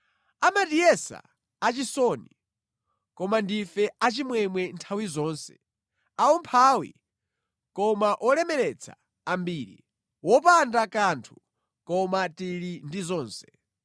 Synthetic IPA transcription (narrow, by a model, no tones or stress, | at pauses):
amatiɛsa̰ː | t͡ʃisɔni | kɔmandifɛat͡ʃimwɛmwɛntʰawizɔːnsɛ̥̰ | aumpʰaːwḭ | kɔmaʔɔlɛmɛɾɛt͡sʰa̰ː | mbiːɾḭ | wɔp̬andakantʰu̥ | kɔmatiɾindizɔːnsɛ̥